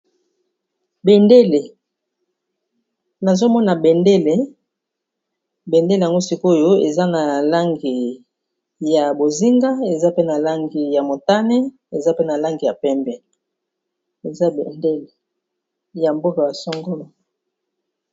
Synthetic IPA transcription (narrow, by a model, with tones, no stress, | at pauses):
be˨nde˦le˨ | na˨zo˦mɔ˦na˨be˨nde˦le˨ | be˨nde˦lja˨ŋɡo˦si˦ko˦jo˦ḛ˨za˦na˨la˦ŋɡi˨ | ja˨bo˨zi˦ŋɡa˦e˨za˦pe˦na˨la˦ŋɡi˨ja˨mo˨ta˦ne˦ | e˨za˦pe˦na˨la˦ŋɡi˨ja˨pɛ˦mbɛ˨ | e˨za˦bḛ˨nde˦le˨ | ja˨mbo˦ka˨ja˨sɔ˦ŋɡo˦lo˨